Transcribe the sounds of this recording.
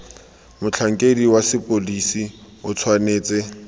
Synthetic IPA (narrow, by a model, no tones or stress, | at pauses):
mʊt͡ɬʰaŋ̩kʼediwasɪpʼolisi | ʊt͡sʰwaneːt͡sɛ